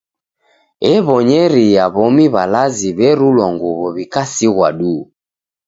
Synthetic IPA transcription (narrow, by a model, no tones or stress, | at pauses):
ɛβɔɲɛɾijaβɔmiβalaziβɛɾulwaŋɡuβɔβikasiɣwa̰ɗuː